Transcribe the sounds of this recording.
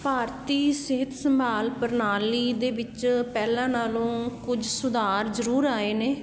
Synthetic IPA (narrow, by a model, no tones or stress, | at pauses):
paːɾt̪iːsɪɦət̪səmbʱaːlpəɾnaːliːd̪eːʋɪt͡ʃpɛːlãːnaːlõːkʊd͡ʒsʊd̪aːɾzəɾuːɾaːeːneː